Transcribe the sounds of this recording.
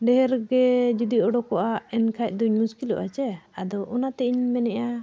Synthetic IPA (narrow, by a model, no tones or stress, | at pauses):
ɖɛɦɛɾɡɛd͡ʒud̪iɔɖɔkɔʔaɛnkʰac̚ˀd̪uɲmuskilɔ̰ʔa̰t͡ʃɛad̪ɔʔɔnat̪ɛʔiɲmɛnɛʔa